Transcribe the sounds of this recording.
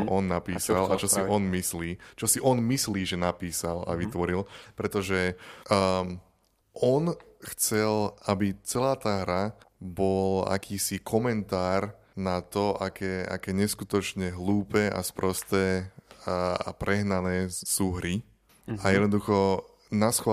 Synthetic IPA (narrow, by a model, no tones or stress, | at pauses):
ɔʔɔnːapiːsalat͡ʃɔsiʔɔnmisliːt͡ʃɔsiʔɔnmisliːʒɛnapiːsala̰ʋit̪ʋɔɾilpɾɛt̪ɔʒɛ | ʔɔnxt͡sɛlʔabit͡sɛlaːt̪aːɦɾabɔla̰kʰiːsikʰɔmɛnt̪aːɾ | nat̪ɔʔakʰɛːa̰kɛːɲɛskut̪ɔt͡ʃɲɛɦluːpɛːʔa̰spɾɔst̪ɛː | a̰pɾɛɦnanɛːsuːɦɾi | ajɛd̪nɔd̪uxɔ | nasx